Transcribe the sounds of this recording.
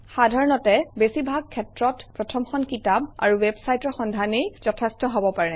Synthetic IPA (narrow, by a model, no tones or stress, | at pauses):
xadʱaɹɔnɔtɛbesibʱaɡ̚kʰːɛtɹɔtpɹɔtʰɔmxɔnkitaba̰ɹuwebsajtɔɹxɔndʱanejzɔtʰɛstɔɦobɔpaɹɛ